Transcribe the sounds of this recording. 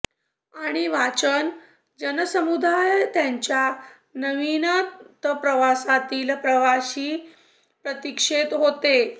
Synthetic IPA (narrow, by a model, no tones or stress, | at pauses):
aɽ̃iʋat͡ɕən | d͡ʑənsəmud̪ajt̪jaɲt͡ɕja | nəʋinat̪pɾəʋasat̪iːlpɾəʋaɕiː | pɾət̪ikʂet̪ɦot̪e